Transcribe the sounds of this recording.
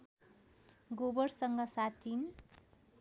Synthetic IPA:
ɡobʌɽsʌŋɡʌsat̪ʰin

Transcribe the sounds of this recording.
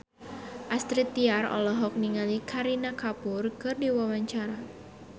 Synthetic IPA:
ʔast̪ɾit̪ːiarɔ̰lɔɦɔk̚niŋalikʰaɾinakapʊrkɨrdiwawaɲt͡ʃaɾa

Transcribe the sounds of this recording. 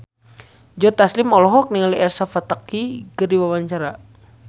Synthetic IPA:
d͡ʒɔt̪aslimɔlɔɦɔk̚niŋaliɛrsafat̪akikərdiwawaɲt͡ʃaɾa

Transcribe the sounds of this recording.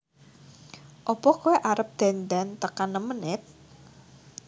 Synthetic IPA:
ʔɔpɔkuweʔaɾəp̚d̪̥a̤nd̪ant̪əkanːəmənɪt̪̚

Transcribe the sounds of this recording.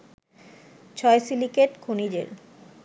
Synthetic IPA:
t͡ɕʰɔesilikeʈkʰonid͡ʑḛɾ

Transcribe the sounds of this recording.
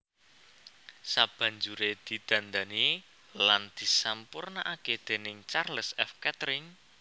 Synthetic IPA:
sab̥ä̤ɲd͡ʒuɾed̪̥i̤d̪̥ä̤nd̪ani | land̪̥i̤sampʊrnaʔaked̪̥e̤nɪŋt͡ʃarləsɛfkɛt̪ɾɪŋ

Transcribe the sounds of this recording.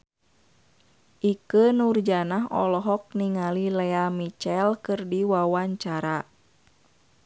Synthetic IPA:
ʔikənurd͡ʒanaɦɔ̰lɔɦɔk̚niŋalilɛamit͡ʃɛlkɨrdiwawaɲt͡ʃaɾa

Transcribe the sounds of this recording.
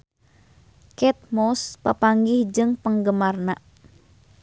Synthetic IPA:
kɛt̪̚mɔspapaŋɡihd͡ʒɨŋpəŋɡəmarna

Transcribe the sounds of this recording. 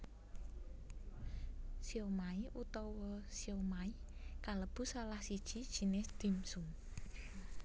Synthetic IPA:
siomaiʔut̪ɔwɔsiomaikaləb̥ṳsalahsid̥ʒ̥i̤d̥ʒ̥i̤nɪsd̪̥imsuŋ

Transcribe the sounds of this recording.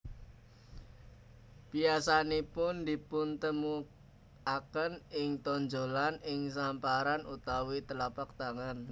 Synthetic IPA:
b̥iasanipʊnd̪i̤pʊnt̪əmu | akənɪŋt̪ɔnd͡ʒo̤lanɪŋs̬ampaɾanut̪awit̪əlapak̚t̪aŋan

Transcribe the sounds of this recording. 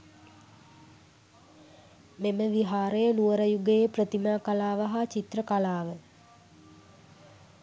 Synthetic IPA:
meməʋiɦaːɾəjənuʋəɾəjuɡejprət̪imaːkalaːʋəɦat͡ʃit̪rəkalaːʋə

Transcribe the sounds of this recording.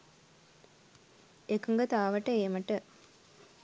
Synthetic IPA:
ekːɯŋɡɐt̪aːʋɐʈːɐeːmɐʈːɯ

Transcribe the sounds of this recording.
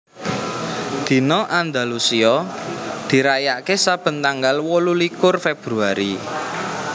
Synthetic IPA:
d̪̥i̤nɔʔand̪a̤lusiɔd̪̥i̤ɾajaʔkesab̥ə̤nt̪aŋɡalwɔlulikʊrfeb̥ɾuaɾi

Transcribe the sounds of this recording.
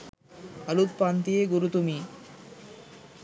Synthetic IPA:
alut̪̚pant̪ieɡuɾut̪umi

